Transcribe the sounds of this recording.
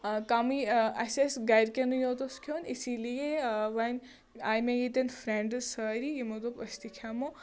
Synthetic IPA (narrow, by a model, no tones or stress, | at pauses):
kaːmiɐsesɡɐjɾkʲɐnujot̪oskʰoːnisilijeʋɐnʲ | aːjmejit̪ɐnfɾẽɳɖsəːɾiimut̪opɐst̪ikʰamo